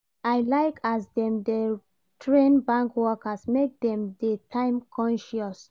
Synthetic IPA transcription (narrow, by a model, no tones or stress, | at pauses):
aɪlaɪkʰasdɛ̃mde | tʰɹẽnbãŋkwɔkasmek̚dɛ̃mdetʰãɪ̃mkʰɔ̃nʃɔs